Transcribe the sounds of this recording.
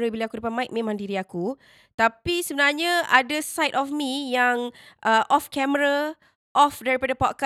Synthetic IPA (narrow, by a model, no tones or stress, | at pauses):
ɾəbiliakudapat̚mãɪk̚mẽmãŋdiɾiaku | t̪apisəbənarɲãadəsajtɔfmĩjaŋʔəʔɔfkɛməɾa | ʔɔfdɛɾipadapɔt̚ka